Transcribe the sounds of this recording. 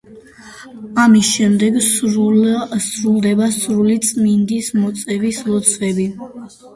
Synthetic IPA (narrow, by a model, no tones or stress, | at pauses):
amisʃɛmd̪ɛɡ | sɾulˠd̪ɛbasɾulit̪sʼmind̪ismɔt̪sʼɛvislˠɔt̪sʰvɛbi